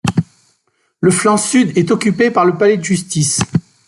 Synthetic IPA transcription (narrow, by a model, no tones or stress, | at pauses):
ləflɑ̃syd̪ɛt̪ɔkʲypepaʁləpalɛd̪əʒyst̪is